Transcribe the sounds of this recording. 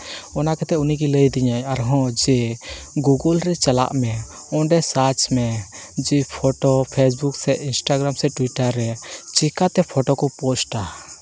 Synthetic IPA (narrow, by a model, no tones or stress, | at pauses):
ɔnakɛt̪ɛuniɡiləjd̪iɲajaɾɦɔ̃d͡ʒɛɡuɡɔlɾɛt͡ʃala̰ʔmɛ | ɔ̃ɖɛsat͡ʃmɛd͡ʒɛpʰɔʈɔpʰes̬buksɛʔinsʈaɡɾamsɛʈwiʈaɾːɛt͡ʃikat̪ɛpʰɔʈɔkɔpɔsʈa